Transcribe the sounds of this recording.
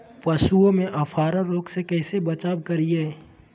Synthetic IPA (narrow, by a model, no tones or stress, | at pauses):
pɐʃuõmẽʔɐpʰaːɾaɾoːɡsekɛːsebɐt͡ʃaːbkɐɾieː